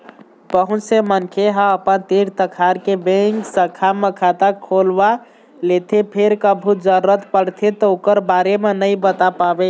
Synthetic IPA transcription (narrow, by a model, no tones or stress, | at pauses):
pəɦũt͡ʃsemənkʰeɦãəpənt̪iɾt̪əkʰaɾkebẽŋksəkʰamekʰat̪akʰolba | let̪ʰepʰeɾkəbʱud͡ʒəɾːət̪pəɽt̪ʰet̪ɔokəɾbaɾemenəjbət̪apabe